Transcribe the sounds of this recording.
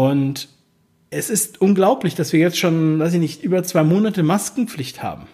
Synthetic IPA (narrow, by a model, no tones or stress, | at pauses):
ʊnt | ʔɛsɪstʔʊnɡlaʊplɪçd̥asv̥iːɐjɛt͡stʃoːnvaɪs̬ɪçnɪçtʔyːbɐt͡sv̥aɪmoːnatəmaskŋ̩p͡flɪçtha̰ːbm̩